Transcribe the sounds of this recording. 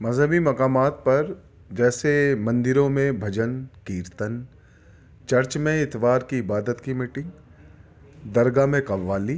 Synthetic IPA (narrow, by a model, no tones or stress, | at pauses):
mɐzʱəmimɐkaːmaːt̪̚pɐɾ | d͡ʒɛːsemɐ̃nd̪ɪɾõmẽbʱɐd͡ʒənkiːɾt̪ən | t͡ʃɐɾt͡ʃmẽɪt̪ʋaːɾkiɪbaːd̪ət̪kimiːʈɪ̃ŋɡ | d̪ɐɾɡamẽkɐʋːaːliː